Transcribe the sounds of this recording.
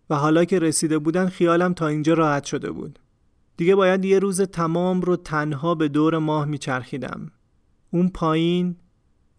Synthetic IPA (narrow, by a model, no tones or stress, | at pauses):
væɦɒːlɒːcʰe̞ɾesiːd̪e̞buːd̪ænd̪xijɒːlæmt̪ʰɒːind͡ʒɒːɾɒːhæt̪ʃo̞d̪e̞̰bṵːd̪̥ | d̪̥iɟe̞bɒːjæd̪je̞ɾuːzet̪ʰæmɒːmrot̪ʰænɦɒːbe̞d̪oːɾe̞mɒːhmiːt͡ʃʰæɾxiːd̪æ̰m | uːnpʰɒːjiːn